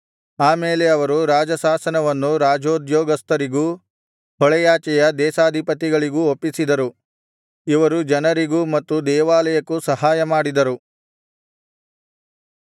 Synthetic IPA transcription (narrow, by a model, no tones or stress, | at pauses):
aːmeːleɐʋɐɾuɾaːd͡ʒɐsaːsɐnɐʋɐnːuɾaːd͡ʒoːd̪jɔːɡɐst̪ɐɾiɡu | hɔɭɛjaːt͡ʃɛjɐd̪ɛːsaːd̪ʱipɐt̪iɡɐɭiɡuopːisid̪ɐɾu | iʋɐɾud͡ʒɐnɐɾiɡumɐt̪ːud̪ɛːʋaːlɐjɐkusɐɦaːjɐmaːɽid̪ɐɾu